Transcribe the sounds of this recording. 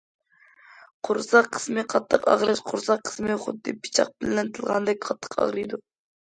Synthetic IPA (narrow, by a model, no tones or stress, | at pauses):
qʰʊɾsɑqʰːə̥smɨqʰɑt̪ʰːəqɑ̰ʁɾɨʃqʰʊɾsɑqʰːə̥smɨχʊ̰d̪ːɨpʰi̥t͡ʃʰɑ̰q̚bɪlːɪnt̪ʰɨlˠʁɑ̰nd̪ɛk̚ʲqʰɑt̪ʰːə̥qʰɑ̰ʁɾɨjd̪u